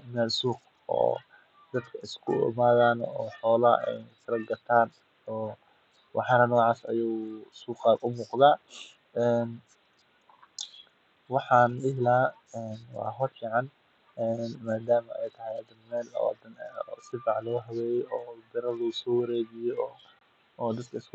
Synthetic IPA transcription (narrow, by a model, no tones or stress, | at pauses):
mɛːlsuːq | ɔ̰ː | d̪ɐd̪kʰɐʔɪskʰʊ̰ɪ̰maːðaːnɔːħɔːlɐɛ̰jfʰɪɾɐɡɐt̪ʰaːn | ɔː | wʔɑħɑːnɐnɔːʕɑːsɐ̰juwsuːqɑːʊmuːqd̪aː | ɛːn | wɑħɑːnɪɦlaː | ɛːnwɑ̰ːɦɔrfiːʕɑn | ɛːnmaːd̪aːmɐɛ̰jt̪ʰɐɦɛjɐd̪ɐnmɛːlɔ̰d̪ɐnːsɪfɑʕlɔɣɦɐwɛːjɛɔːd̪ɪɾɐlusɔːwɐɾeːβɪjɛɔː | d̪ɐd̪̚kʰɐɪs